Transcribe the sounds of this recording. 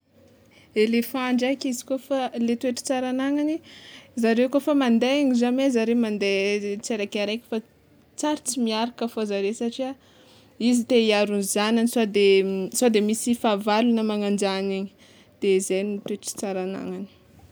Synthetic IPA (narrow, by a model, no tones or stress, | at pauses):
elefaɳɖ͡ʐajkizi̥kofalet̪uweʈ͡ʂi̥t͡saɾanaŋanizaɾewkofamand̪eaɲizamezaɾemand̪et͡seɾakaɾajkʲi̥fa | t͡saɾit͡simiaɾakəfozaɾewsaʈ͡ʂia | izit̪eiaɾunzananisad̪esad̪emisifavalunəmaŋand͡ʒaniɲi̥ | d̪̥ezejnit̪weʈ͡ʂi̥t͡saɾana̰ŋani̥